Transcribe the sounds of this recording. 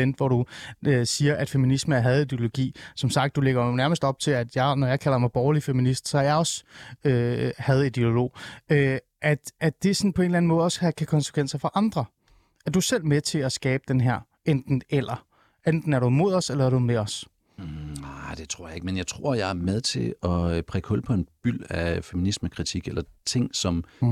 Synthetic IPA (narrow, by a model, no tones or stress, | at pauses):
end̥ʋɒɾ̥uøsiːɐʔæd̥fe̝minisməæɐɦæð̞̩ˠid̥e̝o̝loɡ̥ḭːsɒ̽msɑ̈ɡ̥d̥uleɡ̥ɐnæɐməsd̥ɒ̽b̥̚t͡sʰe̝læd̥jɑ̈ɪnɒjɑ̈ɪkʰæl̰ɐmɑ̈ɪb̥ɒːlifeminisd̥sɒ̽æɐjɑ̈ɒ̽søhæð̞̩ˠid̥eo̝lo̝̰ːø | ʔæd̥ʔæd̥e̝sɒnpʰɒ̽e̝nlæn̩mɔ̽ːð̞̩ˠɒ̽shækʰækʰɒ̽nse̥ʋen̰sɐfɒʔɑ̈nd̥ʁɐ | ʔæɐd̥usel̰met͡sʰe̝æsɡ̥ɛːb̥əd̥enɦæɐ̰ | end̥n̩elɐ | end̥n̩æɐɾumo̝ð̞ˠɒ̽selɐæɐɾ̥umeɒ̽s | ad̥e̝t͡sʰʁo̝ɐ̰je̝ɡ̥menjɑ̈ɪt͡sʰʁo̝ɐ̰jɑ̈ɪæɐmeð̞ˠt͡sʰe̝ɒpʰʁɛkʰɔlpʰɒ̽e̝nb̥yl̰æfeminisməkʰʁit͡sʰiɡ̥elɐt͡sʰe̝ŋ̰sɒ̽m